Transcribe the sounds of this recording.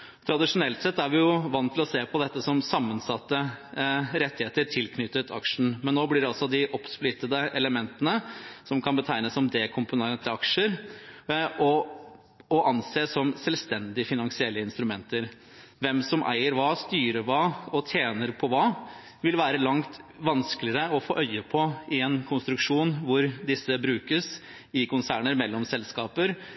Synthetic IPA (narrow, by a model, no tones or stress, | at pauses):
t̪ʰɾɑd̪ɪʂʊnɛlt̪sɛt̪ːæɾʋɪjʊʋɑnːt̪ʰɪlɔseːpʰɔd̪ɛt̪ːəsɔmsɑmːənsɑt̪ːə | ɾɛt̪ːɪheːt̪əʈʰɪlkʰnʏt̪ːət̪ʰɑ̰kʂɳn̩mɛnːoːblɪɖɛɔsɔd̪ɪʔɔpsplɪt̪ːəd̪əʔɛləmɛnt̪ənəsɔmkʰɑnbət̪ʰæɪnəsːɔmd̪eːkʰʊmpʊneət̪ʰɪɑkʂəɾ | ɔ | ɔʔɑnseːsɔmsɛlst̪ɛnd̪ɪfɪnɑŋsɪɛlːəɪnst̪ɾʉmɛnt̪əɾ | ʋɛmsɔmʔæ̰ɪəɾʋɑːst̪yːɾəɾʋɑːɔt̪ʰjeːnəɾpʰɔʋɑː | ʋɪlʋæːɾəlɑŋt̪ʋɑnsklɪəɾəɔfo̰ːʔœʏəpʰɔɪɛnkʰʊnst̪ɾʉkʂuːnʋʊɾd̪ɪsːəbɾʉːkəs | ɪkʊnsæːɳəɾmɛlːɔmsɛlskɑːpəɾ